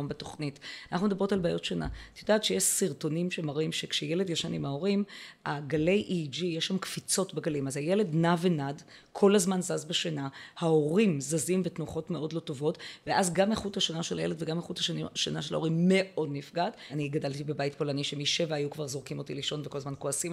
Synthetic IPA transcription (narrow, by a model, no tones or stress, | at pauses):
mbeto̞χnitanaχnumed̪abʁotalbaːjo̞tʃana̰t̪odaːtʃejeʃsiʁto̞nimʃemaʁimʃekʃejeledjaʃanimao̞ʁimaɡale̞jʔid͡ʒijeʃːamkfit͡so̞tbeɡalimazhajele̞dnavenad | kʰo̞lazmanzazbeʃanahao̞ʁimzazimvetnuχo̞tmeo̞dlo̞tovo̞tveʔazɡamaχuthaʃanaʃelajeledveɡamaχuthaʃanaʃela̰o̞imːe̞ʔo̞dnifɡataniɡadaltibebajitpo̞laniʃemiʃe̞vaajukvaʁzo̞ʁkimo̞tiliʃo̞nveko̞lazmanko̞asim